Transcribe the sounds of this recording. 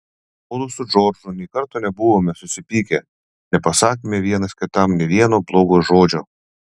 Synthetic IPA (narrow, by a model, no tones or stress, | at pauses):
oːlʊsʊd͡ʒoːɾd͡ʒʊnʲiːkɐɾt̪oːnʲɛbʊʋoːmʲɛsʊsʲɪpʲiːkʲɛ | nʲɛpɐsɑːkʲimʲeʋʲiɛnɐskʲɪt̪ɐmnʲɛʋʲiɛnoːblˠoːɡoːʒoːd͡ʒʲoː